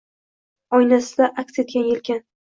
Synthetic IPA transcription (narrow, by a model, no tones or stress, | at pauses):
ɒjnasɪd̪aʔakʲse̞t̪̚ɡʲanjelkʲɪn